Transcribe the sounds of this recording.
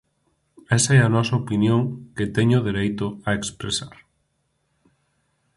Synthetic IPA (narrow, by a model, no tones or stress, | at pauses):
ɛsɐɛɐnɔsɐopinjõŋkɪt̪ɛɲʊðiɾejt̪ʊaekspɾesaɾ